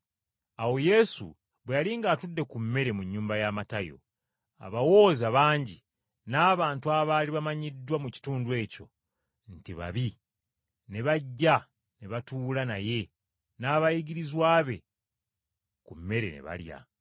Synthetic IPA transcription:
awo̞je̞sṵ | βwejaliŋɡaːtudːe̞kumːe̞ɾe̞muɲːuːmbajaːmatajo̞̰ | a̰βawo̞ːzaβaːɲɟi | naːβaːntuaβaːliβamaɲidːwamuci̥tuːndwe̞ːco̰ | n̩tiβa̰βi | ne̞βaɟːa | neβatulanaje̞ | naːβajiɡiɾizwaːβe̞̰ | kumːe̞ɾe̞̰nḛβa̰lja̰

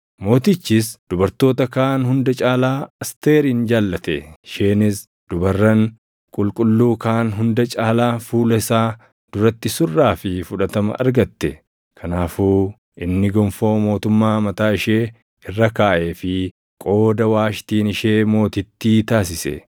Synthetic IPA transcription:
mo̞ːt̪ɪt͡ʃːɪsd̪̥ʊbɐɾt̪o̞ːt̪ɐkaːnɦʊnd̪ɐt͡ʃʼaːlaːɐst̪e̞ːɾiːnd͡ʒaːlːɐt̪ɛʃeːnɪs | d̪̥ʊbɐrːɐŋ | kʼʊlkʼʊlːuːkaːnɦʊnd̪ɐt͡ʃʼaːlaːfuːlɐɪsaː | d̪̥ʊɾɐt̪ːɪsʊrːaːfɪfʊᶑɐt̪ɐmɐ̰ʔɐ̰ɾɡɐt̪ːɛ̰ | kʰɐnaːfuː | ʔɪnːɪɡɔmfo̞ːmo̞ːt̪ʊmːaːmɐt̪aːɪʃeː | ɪrːɐkaːʔeːfɪ | kʼo̞ːd̪ɐwaːʃt̪iːnɪʃeːmo̞ːt̪ɪt̪ːiːt̪aːs̬ɪsɛ̰

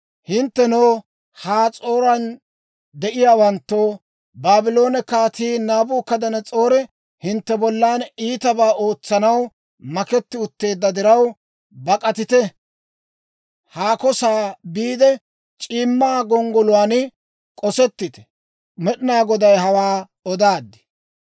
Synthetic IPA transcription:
hɪnt̪ːɛnoː | haːt͡sʼo̞ːɾɐn | d̪ɛʔɪjaːwɐnt̪ːoː | baːbɪlo̞ːnɛkaːt̪iːnaːbʊːkːɐd̪ɐnɛt͡sʼoːɾɛ | hɪnt̪ːɛbɔlːaːniːt̪ɐbaːʔo̞ːt͡sːɐnɐw | mɐkɛt̪ːɪʊt̪ːe̞ːd̪ːɐd̪ɪɾɐw | bɐkʼɐt̪ɪt̪ɛ | haːkɔsaːbiːd̪ɛ | t͡ʃʼiːmːaːɡɔŋɡɔlʊwaːn | kʼɔsɛt̪ːɪt̪ɛ̥ | mɛɗɪnaːɡɔd̪ɐjɦɐwaː | ɔd̪aːd̪ːɪ̥

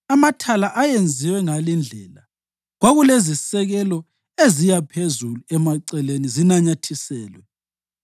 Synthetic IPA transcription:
amatʰalaʔajend͡zʱiwɛŋalind͡ɮʱɛla | ɣwaɣulezisɛɣɛlɔ | ezijapʰezuluɛmaǀɛlenizinaɲatʰisɛːlwɛ

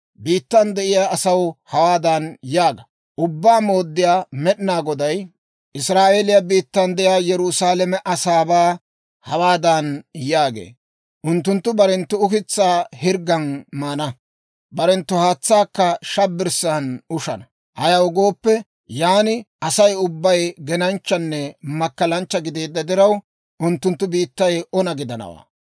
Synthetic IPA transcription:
biːt̪ːɐnd̪ɛʔɪjaːʔɐsɐwhɐwaːd̪ɐnjaːɡɐ | ʔʊbːaːmo̞ːd̪ːɪjaːmɛɗɪnaːɡɔd̪ɐj | ʔɪsɾaːʔeːlɪjabiːt̪ːɐnd̪ɛʔɪjaːjɛɾʊsaːlɛmɛʔɐsaːbaː | hɐwaːd̪ɐnjaːɡḛː | ʔʊnt̪ːʊnt̪ːʊbɐɾɛnt̪ːʊʊkɪt͡sːaːhɪɾɡːɐnmaːnɐ | bɐɾɛnt̪ːʊhaːt͡sːaːkːɐʃɐbːɪɾsanʊʃɐ̰nɐ | hɐjɐwʊɡo̞ːpːɛ | jaːnɪ | ɐsɐjʊbːɐjɡɛnɐnt͡ʃːɐnːɛmɐkːɐlɐnt͡ʃːɐɡɪd̪eːd̪ːɐd̪ɪɾɐw | ʔʊnt̪ːʊnt̪ːʊbiːt̪ːɐjɔnɐɡɪd̪ɐnɐ̰wa̰ː

